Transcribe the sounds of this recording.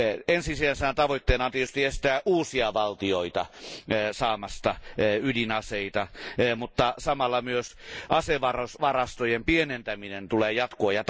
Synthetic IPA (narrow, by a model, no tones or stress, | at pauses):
ensisiænsenæt̪ɑʋoit̪ːeːnɑnt̪iet̪yst̪iest̪æːʔuːsiɑʋɑlt̪ioit̪ɑ | sɑːmɑst̪ɑydinɑseit̪ɑmut̪ːɑsɑmɑlːɑmyøsʔɑseʋɑrosʋɑrɑst̪ojempienent̪æminent̪uleːjɑt̪koɑjɑt̪